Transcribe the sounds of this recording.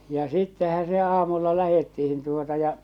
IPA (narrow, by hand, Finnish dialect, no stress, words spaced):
jɑ sitːehæ se ɑːmulːɑ læhetːihin tuotɑ jɑ